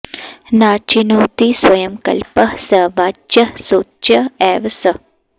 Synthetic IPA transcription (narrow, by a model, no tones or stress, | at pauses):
naːt͡ʃinuːt̪iswɐjɐmkɐ̰lpəhsɐʋaːt͡ʃɐsoːt͡ʃɐɛːʋɐsɐ